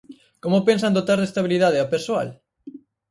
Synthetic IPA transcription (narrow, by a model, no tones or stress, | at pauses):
komopensãnd̪ot̪aɾðest̪aβ̞iliðað̞eapeɾsoa̰l